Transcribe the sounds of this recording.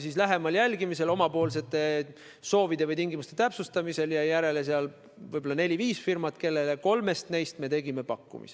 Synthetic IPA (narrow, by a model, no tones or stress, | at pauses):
sislæɦe̞mɑljælʲɡimise̞lo̞mɑpo̞ːls̬e̞t̪ːˑe̞ | so̞ːvid̪̥e̞vɯjt̪iŋɡimust̪e̞t̪æpsust̪ɑmise̞ljɑjæɾe̞les̬eɑl | vɯjbo̞lːɑne̞lʲiviːsfirmɑt̪ke̞lːe̞le̞ko̞lme̞st̪ne̞jst̪me̞t̪e̞ɡ̥ime̞pɑkːṵmḭs